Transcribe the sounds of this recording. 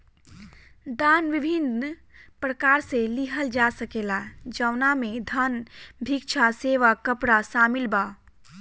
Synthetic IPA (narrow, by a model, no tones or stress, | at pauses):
d̪anʋibʱin | pɾəkaɾseliɦəld͡ʒasəkelad͡ʒəwnamed̪ʱənbʱik̚t͡ʃʰaseʋakəpɽasamilba